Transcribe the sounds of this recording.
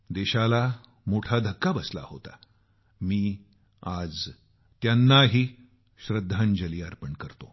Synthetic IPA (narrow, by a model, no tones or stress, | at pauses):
d̪eɕala | moʈʰad̪ʱəkːabəsla̰hot̪a̰ | miː | ad͡z | t̪janːaɦiː | ɕɾəd̪ʱːãnd͡ʑəliːaɾpəɳkəɾt̪o